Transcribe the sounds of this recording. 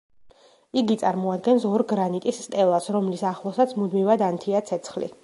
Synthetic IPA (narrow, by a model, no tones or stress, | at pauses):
iɡit̪sʼaɾmɔad̪̚ɡɛnsɔɾɡɾanit̪ʼisːt̪ʼɛlˠasɾɔmlisaχlˠɔsat̪sʰmud̪mivad̪ant̪ʰiat̪sʰɛt̪sʰχlḭ